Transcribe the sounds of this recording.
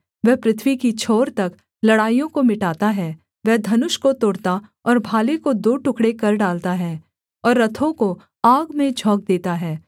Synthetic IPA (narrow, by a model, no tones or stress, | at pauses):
ʋɛɦpɾɪt̪ʰwikit͡ʃʰoːɾt̪ɐk | lɐɽaːijõkomɪʈaːt̪aɦɛː | ʋɛɦd̪ʱɐnʊʃkot̪oːɽt̪a | ɔːɾbʱaːlekod̪oːʈʊkɽekɐɾɖaːlt̪aɦɛː | ɔːɾːɐt̪ʰõko | aːɡmẽd͡ʒʱɔːk̚d̪eːt̪aɦɛː